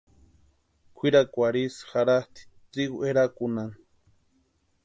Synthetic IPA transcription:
kʷʰiɾakʷaɾisxaɾast̪ʰi̥t̪ɾiɣueɾakunan

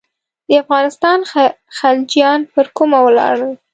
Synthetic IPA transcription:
d̪əafɣɑnɪst̪ɑn | xald͡ʒjɑnpəɾkumawlɑ̰ɽəl

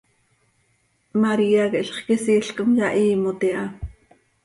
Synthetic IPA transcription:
maɾiːakeʔɬχkisiːɬkomjaʔiːmot̪iʔa

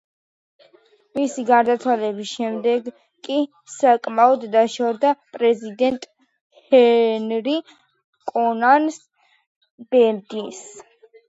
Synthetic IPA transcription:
misiɡaɾd̪at̪sʰwalɛbisʃɛmd̪ɛɡ | kʼi | sakʼmaɔd̪ːaʃɔɾd̪apʼɾɛzid̪ɛnt̪ʼ | hɛnɾi | kʼɔnans | b̥ɛd̪ins

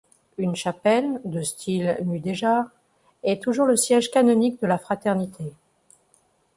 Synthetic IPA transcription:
ynʃapɛld̪əst̪ʰilmyd̪eʒaʁ | ɛt̪uʒuʁləsjɛʒkanɔnik̚d̪əlafχat̪ɛʁnit̪ʰe

